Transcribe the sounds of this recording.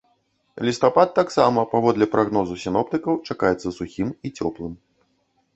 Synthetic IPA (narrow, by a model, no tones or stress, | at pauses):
lʲist̪apat̪ːaksamɐpavɔd̪lʲɛpɾʔaɣnɔzusʲinɔp̚t̪ɨkɐwt͡ʂakajɛt̪sːɐsuxʲimit͡sʲɔplˠɨm